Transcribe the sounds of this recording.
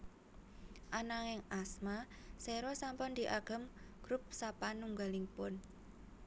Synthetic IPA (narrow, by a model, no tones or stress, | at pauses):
ʔanaŋɛŋasma | sɛɾɔsampʊnd̪̥i̤ʔaɡ̥ə̤mɡ̥ɾʊp̚sapanːuŋɡalɪŋpʊn